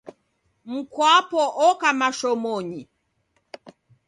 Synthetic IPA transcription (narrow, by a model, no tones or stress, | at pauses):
m̩kwapɔʔɔkamaʃɔmɔɲi